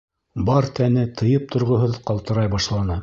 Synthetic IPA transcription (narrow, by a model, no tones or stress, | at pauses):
bɑɾt̪ænɘt̪ʰɤ̆jɤp̚t̪ʰŏɾʁŏɦɤðqɑlˠt̪ɤ̆ɾɑjbɑʃlˠɑnɤ